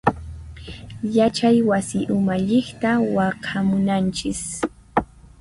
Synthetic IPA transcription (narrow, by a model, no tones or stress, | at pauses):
jat͡ʃajwasɪʔʊmaʎɪχt̪awɑqʰamʊnant͡ʃɪs